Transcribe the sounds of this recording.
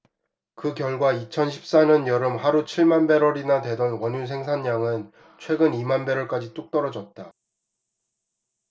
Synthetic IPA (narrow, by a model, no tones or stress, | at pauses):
kɯkjʌɭɡwait͡ɕʰʌnɕʰi̥p̚s͈aɲʌnjʌɾɯmhaɾut͡ɕʰiɭmanbe̞ɾwʌɾinadwe̞dʌnwʌɲuns̬ʰeŋsʰaɲːaŋɯn | t͡ɕʰwe̞ɡɯnimanbe̞ɾwʌɭk͈ad͡ʑit͈uk̚t͈ʌɾʌd͡ʑʌt̚t͈a